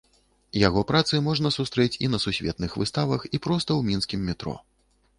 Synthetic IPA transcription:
jaɣɔpɾat̪sɨmɔʐnɐsust̪ɾɛt͡sʲinɐsusʲvʲɛ̰t̪nɨxvɨst̪avɐxipɾɔst̪ɐwmʲinskʲimːʲɛt̪ɾɔ̰

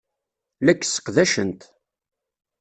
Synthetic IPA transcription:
lækːsə̥qðæʃənt̪

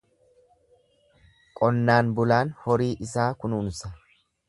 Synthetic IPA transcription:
kʼɔnːaːnbʊlaːnhɔɾiːʔɪsaːkʊnuːnʊsɐ

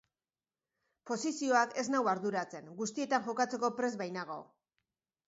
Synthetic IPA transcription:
po̞sisio̞ake̞znawaɾðuɾat͡se̞ŋɡust̪ie̞t̪aŋʝo̞kat͡se̞ko̞pɾe̞zβajnaɣ̞o̞̰

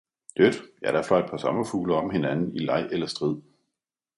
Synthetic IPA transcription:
d̥ød̥jæɾ̥æflɒ̽ed̥̚pʰɒ̽sɒ̽mɐfuːlɐɒ̽mhe̝nænn̩ilɑ̈ɪ̰ʔelɐsd̥ʁið̰ˠ

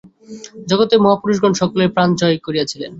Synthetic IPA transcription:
d͡ʑɔɡot̪emɔɦapuɾuʃɡonʃɔkolepɾand͡ʑɔekoɾiat͡ɕʰilḛn

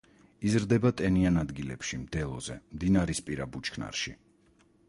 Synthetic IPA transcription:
izɾd̪ɛbat̪ʼɛnianad̪ɡilɛ̰pʃimd̪ɛlˠɔ̰zɛmd̪inaɾispʼiɾabut͡ʃʰkʰna̰ɾʃi

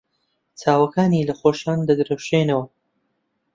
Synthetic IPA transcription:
t͡saːwɐkaːniːlɐχoːʃaːnd̪ɐɡ̪ɨɾɐwʃenɐwɐ

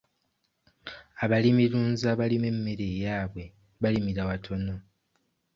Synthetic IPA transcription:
aβalimiɾuːnzaβalimemːeɾejaːβwe̞ | βalimiɾawatʰo̞no̞

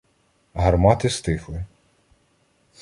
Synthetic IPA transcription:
ɦɐrmɑt̪ɪst̪ɪxlˠɪ

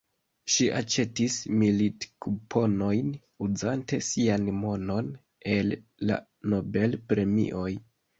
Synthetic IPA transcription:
ʃiʔa̰t͡ʃe̞tismilitkupʰo̞no̞jn | ud͡zante̞sianmo̞no̞n | e̞lːa̰ | no̞be̞lpɾe̞mḭʔo̞j

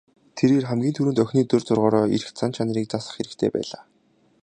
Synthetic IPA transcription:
t̪ʰeɾeːrχæmɡʲiːnt̪ʰuɾɘ̆nt̪œxʲniːt̪ɵrt͡sʊrʁɔːɾɔːiɾɘ̆xt͡sʰant͡ɕʰanə̆ɾiːk̚t͡sasə̆χxeɾɘ̆kt̪ʰeːpæ̰ːɮaː

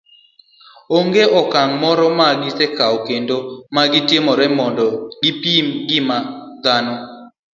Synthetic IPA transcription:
oŋɡeʔɔkaŋmɔɾɔmaɡɪsekawokendomaɡɪtjemɔɾɛmɔndɔɡɪpimɡɪmad̪anɔ

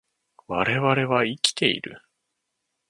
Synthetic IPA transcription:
βaɾe̞βaɾe̞βaikʲi̥t̪ʰe̞ḭɾɯ̟̰

